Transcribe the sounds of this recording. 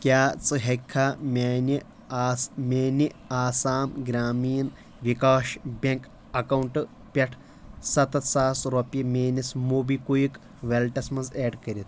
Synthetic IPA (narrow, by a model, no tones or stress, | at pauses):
kʲjaːt͡sɨɦekʰːaːmʲaːni | smʲeːniaːsaːmɡɾʲaːmiːn | ʋikaːʃbʲɐŋk | ɐkɐwuɳʈɨ | pʲeʈʰ | sɐt̪ɐt̪saːsɾopimʲeːnʲismuːbikujik | ʋelʈɐsmɐnzeːɖkɐɾʲit̪ʰ